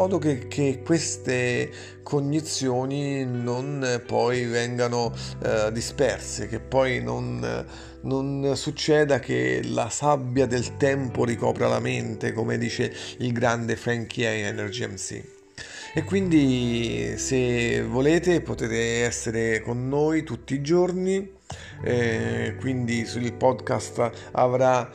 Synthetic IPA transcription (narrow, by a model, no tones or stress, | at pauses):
ɔːd̪okekʰːekwest̪e | kʰoɲd̪it̪sːjoːninonpɔjvɛŋɡanod̪ispɛrsḛk̟epːɔjno̰n | nonsut͡ʃːɛːd̪ak̟ḛla̰sabjad̪elt̪ɛmpoɾikɔ̰ːpɾala̰ment̪ekomḛd̪iːt͡ʃeilɡɾand̪efɛŋkʰiɛiɛnerd͡ʒiɛmsḭ | ekːwind̪i | sevːoleːt̪epot̪eːt̪eɛsːeɾekonːoːjt̪ut̪ːiːd͡ʒorni | kwind̪isuilpɔd̪kast̪ | a̰vɾa